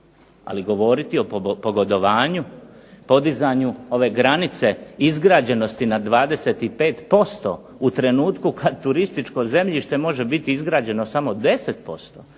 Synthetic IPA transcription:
a̰liɡo̞ʋo̞ːɾit̪io̞poɡod̪o̞ʋaːɲupo̞d̪izaːɲuo̞ʋe̞ːɡɾanit̪se̞izɡɾaːd͡ʑe̞no̞st̪inad̪ʋaːd̪e̞se̞t̪ipe̞ːt̪po̞st̪o̞̰ | ut̪ɾe̞nuːt̪kukʰad̪t̪uɾist̪it͡ʃko̞ze̞mʎiʃt̪e̞mo̞ʒe̞bit̪iizɡɾaːd͡ʑe̞no̞samo̞d̪e̞se̞t̪po̞st̪o̞

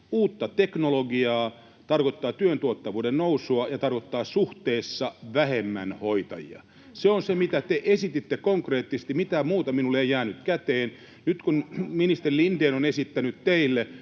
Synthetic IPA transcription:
uːt̪ːɑt̪eknoloɡiɑː | t̪ɑrkot̪ːɑːt̪yønt̪uot̪ːɑʋuːdennousuɑjɑt̪ɑrkot̪ːɑːsuht̪eːsːɑʋæhemːæ̰nhoit̪ɑ̰jḭɑ̰ | seonsemit̪æt̪eʔesit̪it̪ːekoŋkreːt̪ːisest̪imit̪æmuːt̪ɑminulːeijæːnyt̪kæt̪eːn | nyt̪kunminist̪erilind̥eːnonesit̪ːænyt̪t̪eilːe

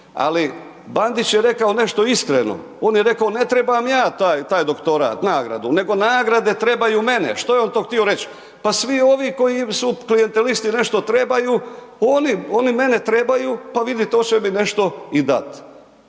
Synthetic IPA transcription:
a̰li | band̪it͡ɕjeɾe̞kaone̞ʃt̪o̞iskɾḛno̰ | oːnjeɾe̞kaone̞t̪ɾe̞bamjaːt̪aːjt̪aːjd̪o̞kt̪o̞ɾa̰t̪naːɡɾa̰d̪une̞ɡo̞naːɡɾad̪e̞t̪ɾe̞bajuːme̞nḛʃt̪ojeo̞nt̪oxt̪io̞ɾe̞t͡ɕ | pasʋio̞ʋiko̞jisuklije̞nt̪e̞list̪ine̞ʃt̪o̞t̪ɾe̞bajuː | onio̞nime̞ne̞t̪ɾebajuːpaʋid̪it̪eot͡ɕemine̞ʃt̪o̞id̪a̰t̪

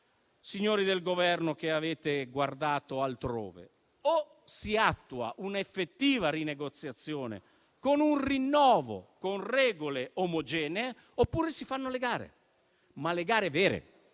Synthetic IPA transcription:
siɲːoːɾid̪elɡovɛrnokeaveːt̪eɡward̪aːt̪oalt̪ɾo̰ːvḛ | o | siat̪ːua̰ʔunaefːet̪ːiːvarineɡot̪sːjat̪sːjoːnḛ | konunrinːɔːvo̰konrɛːɡoleomod͡ʒɛːnee | opːuːɾesifanːoleɡaːɾḛ | maleɡaːɾevɛːɾḛ

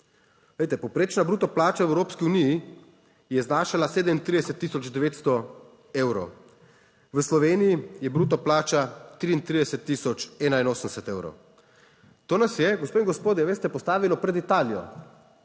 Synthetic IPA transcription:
lejt̪ɛpɔwpɾeːt͡ʃnabɾuːt̪ɔplaːt͡ʃaɛwɾoːpskiuniji | jɛznaːʃalaseːd̪ɛmint̪ɾid̪ɛsɛt̪ːiːsɔd͡ʒd̪ɛʋeːt̪st̪ɔ | ewɾɔ̰ | ʋəslɔʋeːnijijɛbɾuːt̪̬ɔplaːt͡ʃat̪ɾiint̪ɾiːd̪ɛsɛt̪ːiːsɔt͡ʃɛːnainoːsənd̪ɛsɛt̪eːwɾɔ̰w | t̪oːnasjɛɡɔspoːĩŋɡɔspoːd̪jɛʋeːst̪ɛpɔst̪aːʋilɔpɾɛd̪it̪aːlijɔ̰

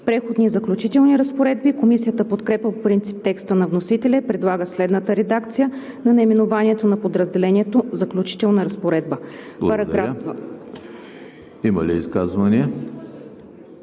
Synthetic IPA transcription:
pɾɛxod̪nizəklʲut͡ʃit̪ɛlˠniɾəspoɾɛd̪bikomisijət̪əpot̪kɾɛpʲəpopɾint̪si̥p̚t̪ɛkst̪ənɐvnosit̪ɛlɛpɾɛd̪lˠaɡəslɛd̪nət̪əɾɛd̪akt̪sijə | nɐnɛjmɛnovanʲiɛt̪onɐpod̪ɾəzd̪ɛlɛnʲiɛt̪ozɐklʲut͡ʃi̥t̪ɛlˠnəɾɐspoɾɛd̪̚bəbˠpɐɾɐɾa | imɐliḭskazvɐniə

